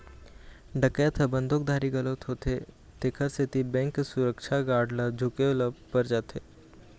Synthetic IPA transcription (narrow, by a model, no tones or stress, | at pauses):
ɖʱəket̪ʰəbə̃nd̪ʱok̚d̪ʱaːɾiɡɐlot̪ɦoːt̪ʰe | t̪ekʰəɾset̪ibɛ̃ːŋkːesʊɾəkʃʰaɡaːɾɖlad͡ʒʱʊkeʊləpəɾd͡ʒaːt̪ʰeː